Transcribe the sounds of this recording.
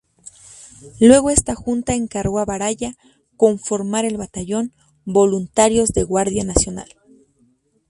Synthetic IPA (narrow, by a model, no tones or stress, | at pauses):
lwe̞ɣo̞e̞st̪axunt̪ae̞ŋkaɾɣoaβaɾaʝa | ko̞ɱfo̞ɾmaɾe̞lβat̪aʝo̞n | bo̞lunt̪aɾjo̞zðe̞ɣwaɾðjanasjo̞na̰l